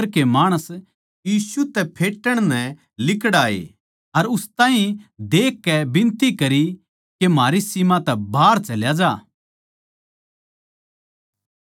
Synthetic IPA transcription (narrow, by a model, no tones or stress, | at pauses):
ɾkemaːɽ̃əs | jiːsut̪ɛpʰeːʈːəɽ̃nɛ̃ | lɪkɽaːḛ | ɐɾʊst̪ãːɦĩd̪eːkːɛbɪ̃nt̪ikɐɾi | kemaːɾisimãt̪ɛbʱaːɾt͡ʃɐljad͡ʒaː